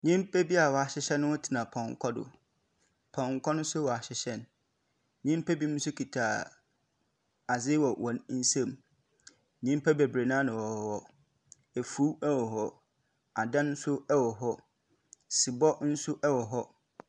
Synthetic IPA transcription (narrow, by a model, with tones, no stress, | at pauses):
ɲĩ˦m˦pʰɛ˦bi˦a˨wɔ˨a˨ɕɪ˦ɕɛ˦nʊ̃˦wʊ˦tʰi˨nã˨pʰɔ̃˨ŋ˨kʰɔ˦dʊ̰˨ | pʰɔ̃˨ŋ˨kʰɔ˦nʊ̃˦n˦sʊ˦wɔ˨a˨ɕɪ˨ɕɛ˦n | ɲĩ˦m˦pʰɛ˦bi˦mʊ̃˦sʊ˦kʰi˨tʰaː˨ | a˨zɪ˦wɔ˨wʔɔ̃˨nn̩˦sɛ̃˦˨m | ɲĩ˦m˦pʰɛ˦be˨bɾe˨nã˦nã˨wɔ˨wɔ˨ | ɛ˨fu˦ɛ˦wɔ˨ɦɔ˦ | a˨dã˦n̩˦sʊ˦ɛ˦wɔ˨ɦɔ˦ | sɪ˨bɔ˦n̩˦sʊ˦ʔɛ˦wɔ˨ɦɔ˦